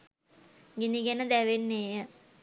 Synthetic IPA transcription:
ɡiniɡenəd̪æʋenːeːjə

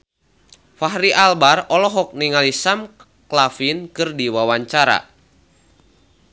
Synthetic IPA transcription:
faɦɾiʔalbarɔlɔɦɔk̚niŋalisam | klafinkɨrdiwawaɲt͡ʃaɾa̰

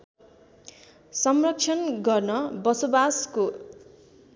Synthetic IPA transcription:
sʌmrʌk̚t͡ʃʰʌnɡʌrnʌbʌsobasko

